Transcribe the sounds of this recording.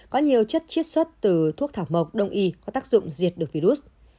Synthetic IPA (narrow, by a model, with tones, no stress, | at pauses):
kɔ˨˦ɲi˨˩əwt͡ɕə˦˥t̚t͡ɕi˦˥ət̚swə˦˥t̚t̪ɨ˨˩t̪ʰu˥t̪ʰaː˧˩wmə˨˩wk͡p̚ɗə˧wŋ͡mʔi˧kɔ˨˦t̪aː˦˥k̚zʊ̰˧˨ŋ͡mzi˨˩t̚ɗɨ˨˩ək̚vi˧ɾu˦˥t̚